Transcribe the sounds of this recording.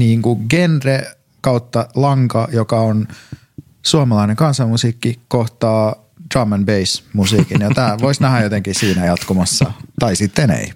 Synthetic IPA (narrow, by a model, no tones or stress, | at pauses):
niːŋkuɡenre | kɑut̪ːɑlɑŋkɑjokɑon | suɑmɑlɑineŋkɑnsɑmusiːkːikoht̪ɑː | d̥rɑːmɑnbeismusiːkinjɑt̪æːʋoisnæhæjjot̪eŋkisiːnæjɑt̪kumɑsːɑ̰t̪ɑisit̪ːenḛi